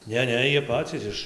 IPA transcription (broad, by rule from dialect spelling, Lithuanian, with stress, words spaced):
ˈnʲɛ ˈnʲɛ ˈjiɛ ˈpɑːt͡sʲiːs ɪʃ